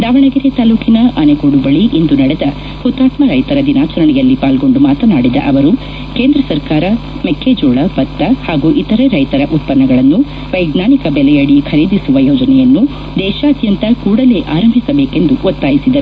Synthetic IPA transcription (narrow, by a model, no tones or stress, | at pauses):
d̪aːʋɐɳɐɡiɾet̪aːluːkinɐʔɐneɡuːɽubɐɭiʔend̪unɐɽɛd̪ɐ | hut̪ːaːt̪mɐɾɐjt̪ɐɾɐd̪inaːt͡ʃɐɾɐɳɛjɐlːipaːlɡo̞ɳɖumaːt̪ɐnaːɽid̪ɐ̰ʔɐʋɐɾu | ke̞ːnd̪ɾɐsɐɾkaːɾɐ | mekʰːeːd͡ʒoːɭɐpɐt̪ːɐhaːɡuʔit̪ɐɾɐɾɐjt̪ɐɾɐʔut̪̚pɐnːɐɡɐɭɐnːu | ʋɐjɡnaːnikɐbɛlɛjɐɽikʰɐɾeːd̪isuʋɐjoːd͡ʒɐnɛjɐnːu | d̪ɛːʃaɐd̪jɐnt̪ɐkuːɽɐle̞ːʔaːɾɐmbʱisɐbeːke̞nd̪uʔot̪ːaːjisid̪ɐɾu